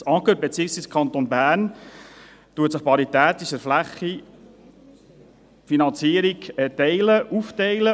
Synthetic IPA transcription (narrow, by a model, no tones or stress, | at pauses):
sɑkət̚bet͡siəksviːskʰɑnt̪onbæːrn | t̪uətsɪχpɑɾit̪æːt̪ɪʃəɾflæχi | finɑnt͡siəɾikɛtɛɪləʔuftɛɪlə